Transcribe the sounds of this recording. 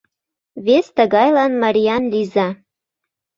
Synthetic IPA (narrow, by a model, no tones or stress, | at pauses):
βest̪əɣɑjlɑnmɑɾʲijɑnlizɑ